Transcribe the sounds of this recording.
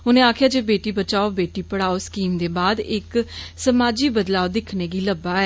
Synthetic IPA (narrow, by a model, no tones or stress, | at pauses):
ʊnẽːaːkʰjaːd͡ʒeːbeːʈiːbət͡ʃaːoːbeːʈiːpəɽaːoːskiːmd̪eːbaːd̪ɪksəmaːd͡ʒiːbəd̪laːod̪ɪkʰneːɡiːləbaːɛː